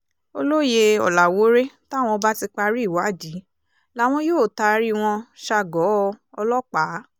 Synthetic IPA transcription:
o˧lo˦je˧ɔ̰˨la˨wo˨˦ɾe˦ta˦˨w̃ɔ̃˧ba˦ti˧k͡pa˧ɾi˦˨wa˨˦˨d͡ʒi˨˦ | la˨˦˨w̃ɔ̃˧joː˦˨ta˧ɾi˦w̃ɔ̃˧ʃa˧˨ɡɔ˨˦˧ɔ˧lɔ˦k͡pa˨˦

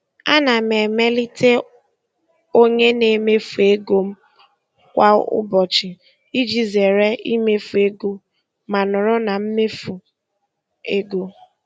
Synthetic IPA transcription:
a̰˦na˨me˨me˦li˦te˦ | o˦ɲe˦ne˨me˦fu˨e˦ɡo˦m̩˦ | kʷa˦ʊ̰˦bɔ˨t͡ʃɪ˨ | i˦d͡ʒi˨ze˨ɾe˦i˦me˦fu˨e˦ɡu˦ | ma˨nʊ˨ɾʊ˦na˨m̩˦me˦fu˨ | e˦ɡo˦

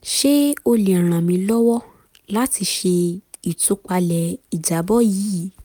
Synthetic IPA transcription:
ʃe˦o˧le˨ã˨ɾ̃ã˨mĩ˧lɔ˦wɔ˦ | la˦ti˧ʃe˧ | i˨tu˨˧˦k͡pa˧lɛ˨i˨d͡ʒa˨˦bɔ˦jiː˨˦

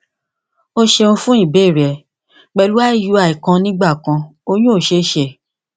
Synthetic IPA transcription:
o˦ʃe˧ũ˧fũ˦i˦˨be˨˦˨ɾɛ˨ | k͡pɛ˧lu˦wa˦i˦˨ju˨˦a˨i˨kã˧nĩ˦ɡ͡ba˦˨kã˧o˧j̃ũ˦o˦˨ʃe˧˦ʃe˧˨

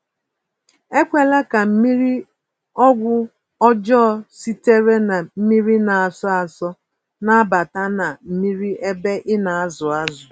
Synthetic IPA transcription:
e˦kʷe˦la˦ka˨m̩˦mi˦ɾi˦ | ɔ˦ɡʷʊ˦ | ɔ˦d͡ʒɔː˦˨si˦te˦ɾe˦na˨m̩˦mi˦ɾi˦na˨a˨sɔ˦a˨sɔ˦ | na˦a˦ba˨ta˦na˨m̩˦mi˦ɾi˦ʔe˦be˦ʔɪ˦na˨a˦zʊ˨a˦zʊ˨

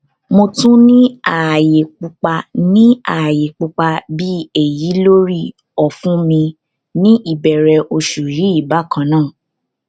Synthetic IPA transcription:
mo˧tũ˦nĩ˦a˨je˨k͡pu˧k͡pa˧nĩ˦a˨je˨k͡pu˧k͡pa˧bi˦e˨ji˨˦lo˦ɾi˦˨ | ɔ˨fũ˦mĩ˧ | nĩ˦ʔi˦˨bɛ˨ɾɛ˧ʔo˧ʃu˨ɾi˨˦i˦˨ba˨˦˨kʰã˧˦nãː˦˨

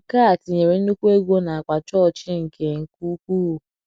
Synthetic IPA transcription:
ka˦˨tɪ˨ɲe˨ɾe˨˦n̩˦nu˦kʷu˦e˦ɡʷo˦na˨a˨k͡pʷa˨t͡ʃɔ˦˨t͡ʃɪ˦ŋ̩˨ke˨ŋ̩˨ku˦kʷu˦˨

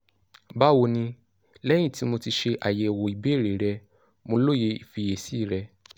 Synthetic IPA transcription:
ba˦wo˧nĩ˧ | lɛ˦j̃ĩ˦˨ti˨˦mo˧ti˧ʃe˧ʔa˨jɛ˧˨wo˨i˨be˨˦˨ɾe˨ɾɛ˧ | mõ˧lo˦˨je˧i˨fi˧je˨si˦˨ɾɛ˧

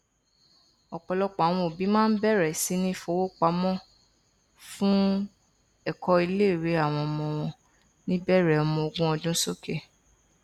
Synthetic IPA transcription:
ɔ˨k͡pɔ˨lɔ˧k͡pa˨w̃ɔ̃˧o˨bi˨˦mãː˦n̩˦bɛ˦˨ɾɛ˨si˨˦nĩ˦fo˧˨wo˦k͡pa˨˦mɔ̃˦ | fũ˦ | ɛ˦˨kɔ˧i˧le˦˨ɾe˨˦a˨w̃ɔ̃˧ɔ˧mɔ̃˧w̃ɔ̃˧ | nĩ˦bɛ˦˨ɾɛ˨ɔ˧mɔ̃˧o˧ɡũ˦ɔ˧dũ˦so˦ke˦˨

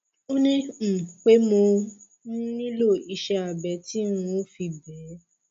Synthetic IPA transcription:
o˦nĩ˦m̩˨k͡pe˦mo˧ | ñ˦nĩ˦lo˦˨i˧ʃɛ˧a˨bɛ˨˦ti˦ũ˧o˦fi˧bɛː˨˦

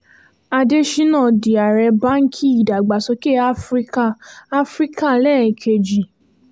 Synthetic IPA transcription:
a˧de˦ʃi˦nãː˦˨di˨a˨ɾɛ˧ba˦ŋ̩˦kʰi˦i˦˨da˨ɡ͡ba˨sɔ˧ke˦˨a˦fɾi˦ka˦˨a˦fɾi˦ka˦˨lɛ˦˨kʰe˧d͡ʒi˨

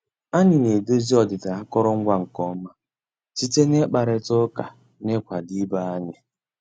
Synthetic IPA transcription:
a˦ɲɪ˨ne˨do˦zi˦ɔ˨dɪ˨da˨a˦kɔ˦ɾɔ˦ŋ̩˦ɡʷa˦ŋ̩˨kɔ˦ma˦ | si˦te˦ne˦k͡pa˨ɾe˦tʊ˦ka˨ | nɪ˦kʷa˨di˦ba˦a˦ɲɪ˦

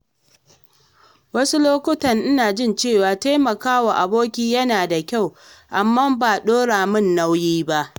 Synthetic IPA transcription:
wɐ˦su˦loː˦kʷʊ˦tɐ˨ŋʔɪ˦naː˨d͡ʒɪ˦nt͡ʃeː˦˨waː˨ta˦jmɐ˨kaː˦waː˨ʔa˨boː˦kʲiː˦jɐ˦naː˨da˨kʲa˦˨w | ʔa˨mːaː˦baː˨ɗoː˦ɽaː˨mɪ˦˨nːa˦wjiː˦ba˦ʔ

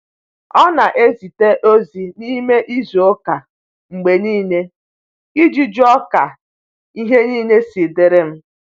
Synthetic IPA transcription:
ɔ˦na˨ʔe˦zi˨te˦ʔo˦zi˨ni˦me˦ʔi˦zu˨o˦ka˨ | ŋ͡m̩˨ɡ͡be˨niː˦ne˦ | i˦d͡ʒi˦d͡ʒɔ˦ka˨ | i˦ɦe˦niː˦ne˦si˨de˨ɾe˦m̩˦

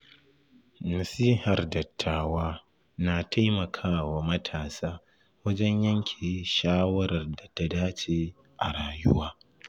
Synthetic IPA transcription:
nɐ˨siː˦hɐ˨rdɐ˨tʰːaː˨waː˦ | na˨tʰa˦jmɐ˨kʰaː˦wa˨mɐ˦tʰaː˨saː˦ | wɐ˦d͡ʒɛ˦ɲjɐ˦ŋkʲʰe˨jʃaː˦wɐ˦ɾɐ˨rda˨ta˦daː˦t͡ʃeː˨ | ʔa̰˨ɽaː˨jʊ˦waː˦

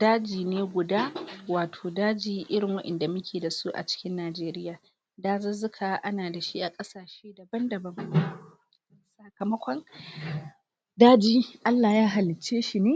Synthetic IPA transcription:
daː˦d͡ʒiː˨neː˦ɡʷʊ˨daː˦waː˨tʰoː˨daː˦d͡ʒiː˦ʔɪ˦ɾɪ˨ŋwɐ˦ʔɛ̰˨nda˨mʊ˦kʲʰeː˨da˨su˦ʔa̰˨t͡ʃɪ̥˦kʲɪ˦nːaː˨d͡ʒeː˦ɾɪ˦jaː˨ | daː˦zɐ˦zʊ˦kʰa˨ʔa˦naː˨da˨ʃi˦ʔa˨kʼɐ˦saː˨ʃeː˦dɐ˨bɐ˦ndɐ˨bɐ˦ŋ | sɐ˨kɐ˨mɐ˦kʷɔ˦n | daː˦d͡ʒiː˦ʔa˦lːaː˨jaː˦ɦa˨lɪ˨t͡ʃːeː˦ʃi˨neː˦

